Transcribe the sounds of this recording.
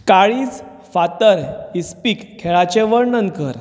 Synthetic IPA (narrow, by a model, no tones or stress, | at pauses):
kaɭiːd͡z | fat̪əɾispiːkʰːɛɭat͡ɕeʋəɾnənkəɾ